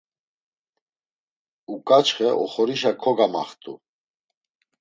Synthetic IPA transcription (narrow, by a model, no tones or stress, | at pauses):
ukʼat͡ʃχɛʔɔχɔɾiʃakʰɔɡama̰χt̪ʼṵ